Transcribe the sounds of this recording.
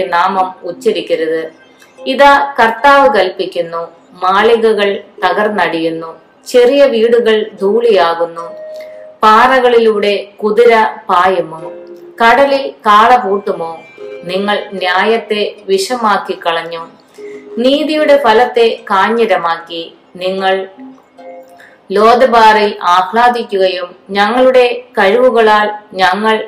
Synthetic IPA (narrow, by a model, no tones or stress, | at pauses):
naːmɐmut͡ɕːiɾikʲːɐɾɐðɨ | iðaːkɐrt̪aːʋɨkɐlpikʲːunːu | maːɭiɣɐɣɐɭt̪ɐɣɐrnɐɽijunːu | t͡ɕe̞rijɐʋiːɽuɣɐɭd̪ʱuːɭijaːɣunːu | paːrɐɣɐɭiluːɽe̞kuðiɾɐpaːjɐmu | kɐɽɐlikaːɭɐpuːrʈːumoːniŋːɐɭnjaːjɐt̪ːe̞ʋiʂɐmaːkːikːɐɭɐɲːu | niːðijuɽe̞fɐlɐt̪ːe̞kaːɲːɐɾɐmaːkːi | niŋːɐɭ | lo̞ːd̪ɐbaːrilaːpɭaːd̪ikʲːuɣɐjumɲɐŋːɐɭuɽe̞kɐɻʋuɣɐɭaːlɲɐŋːɐɭ